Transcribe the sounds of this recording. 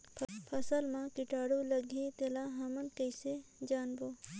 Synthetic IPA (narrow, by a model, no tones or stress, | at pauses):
pʰɐsəlmãkɪʈaːɽoləɡʱet̪elaɦɐmənkəɪsed͡ʒaːnboː